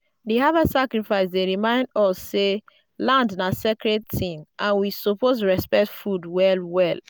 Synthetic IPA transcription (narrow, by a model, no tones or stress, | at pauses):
deɦavasakɹifaɪsdeɹimãɪ̃ndɔsːe | lãndnasekɹɛd̚tĩnʔãnwisoposɹɛspɛk̚tfudwɛlwɛl